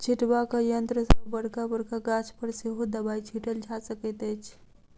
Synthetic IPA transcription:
t͡ʃʰiʈbakəjənt̪ɾəsəbəɽkabəɾkaɡat͡ʃʰpəɾseɦod̪əbajt͡ʃʰiʈəld͡ʒʱasəkət̪ət͡ʃʰ

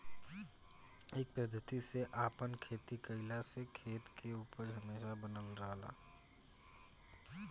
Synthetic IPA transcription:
eːk̚pɾəd̪ʱət̪iseʔaːpənkʰeːt̪ikəɪlasekʰeːt̪kʰeuːpəɾɦɐmeːʃabənəlɾəɦla̰ː

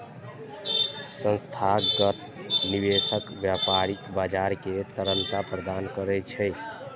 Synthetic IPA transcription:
sə̃nst̪ʰaɡət̪ | nibesəkbjapaɾikbad͡ʒaɾket̪əɾənt̪apɾəd̪ankəɾɛt͡ʃʰəɪ

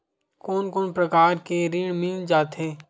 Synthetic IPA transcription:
koːnkoːnpɾɐkaːɾkeɾiːɽ̃miːld͡ʒaːt̪ɦɛ̃ː

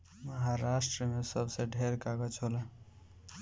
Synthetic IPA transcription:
məɦaɾasʈɾəmesəbseɖʱeɾkaɡət͡ʃʰolə

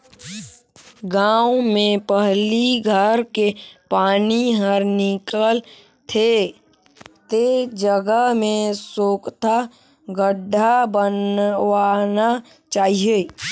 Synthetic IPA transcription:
ɡaːwmẽpəɦliɡʱəɾkepaːniɦəɾnikəl | t̪ʰe | t̪ed͡ʒəɡəɦmẽsoːkt̪a | ɡəɖʱabənʋaːna | t͡ʃaːɦie

